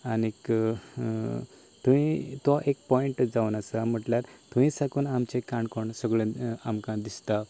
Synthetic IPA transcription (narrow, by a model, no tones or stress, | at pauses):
anek | t̪uʋĩt̪ʋaʔekpɔiɳʈd͡zaunasam̤əʈlaɾt̪ũʋĩsakuːnamt͡ɕekãɳkoɳsəɡɭẽamkãd̪ist̪a